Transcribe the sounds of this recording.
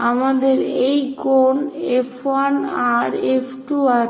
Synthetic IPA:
amad̪eɾejkonefwanaɾefʰʈua

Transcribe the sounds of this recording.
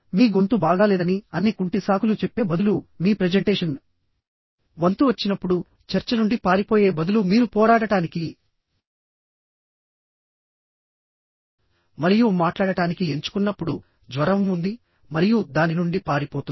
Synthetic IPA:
miːɡont̪ubaːɡaːlɛːd̪ɐniɐnːikuɳʈisaːkulut͡ʃepːe̞ːbɐd̪ulumiːpɾed͡ʒeɳʈeːʂɐn | ʋɐnt̪uʋɐt͡ʃːinɐpːuɽu | t͡ʃɐɾt͡ʃɐnuɳɖipaːɾipo̞ːje̞ːbɐd̪ulumiːɾupɔːɾaːɽɐʈaːniki | mɐɾijumaːʈlaːɽɐʈaːnikie̞ɲt͡ʃu̥kunːɐpːuɽu | d͡ʒʋɐɾɐmund̪i | mɐɾijud̪aːninuɳɖipaːɾipoːt̪u

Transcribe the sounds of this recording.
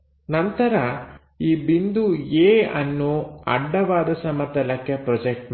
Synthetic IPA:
nɐnt̪ɐɾɐ | iːbind̪ueːɐnːuɐ̰ɖːɐʋaːd̪ɐsɐmɐt̪ɐlɐkːepɾɔd͡ʒek̚ʈm

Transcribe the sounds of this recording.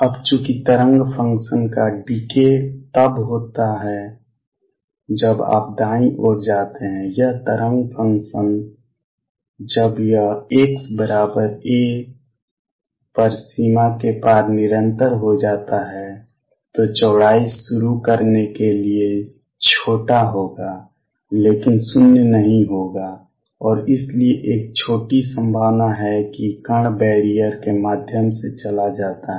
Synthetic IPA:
əbt͡ʃũkit̪əɾə̃ŋɡpʰə̃ŋkʃənkaɖiket̪əbɦoːt̪aɦɛ | d͡ʒəba̰ːp̚d̪aːĩʔod͡ʒaːt̪eɦɛ̃jəɦt̪əɾə̃ŋɡpʰə̃ŋkʃən | d͡ʒəbjəeːksbəɾaːbəɾeː | pəɾsimakepaːɾnɪɾə̃nt̪əɾɦod͡ʒaːt̪aɦɛ | t̪ot͡ʃɔːɽaːisʊɾukəɾnekelie | t͡ʃʰoːʈaɦoːɡa | leːkɪnsʊnjənəɦĩɦoːɡa | ɔːɾɪslieʔeːk̚t͡ʃʰoːʈisə̃mbʱaːʋnaɦɛkikəɳ̃bɛːɽijəɾkemaːd̪ʱjəmset͡ʃəlad͡ʒaːt̪aɦ

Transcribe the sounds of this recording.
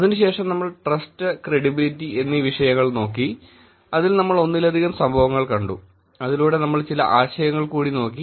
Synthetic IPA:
ɐðinɨɕe̞ːʂɐmnɐmːɐɭʈrɐstɨkreɽibilitːie̞nːiːʋiʂɐjɐŋːɐɭno̞ːkːi | ɐðilnɐmːɐɭo̞nːilɐd̪ʱiɣɐmsɐmbʱɐʋɐŋːɐɭkɐɳɖṵ | ɐðiluːɽe̞nɐmːɐɭt͡ɕilɐ̰ʔaːɕɐjɐŋːɐɭkuːɽino̞ːkːi

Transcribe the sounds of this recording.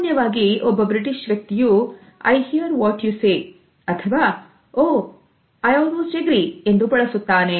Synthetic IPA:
njɐʋaːɡiʔɔbːɐbɾiʈiʃʋjɐk̚t̪iju | ɐ̰jhiɐɾʋɔːʈjuːseː | ɐt̪ʰɐʋaː | oː | ɐjɐːnut͡ʃeɡɾie̞nd̪ubɐɭɐsut̪ːaːne

